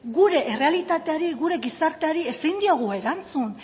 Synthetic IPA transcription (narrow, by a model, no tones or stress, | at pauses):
ɡuɾe̞ʔere̞alit̪at̪eaɾiɣuɾe̞ɣisaɾt̪eaɾiesijnd̪io̞ɣ̞ue̞ɾant͡sun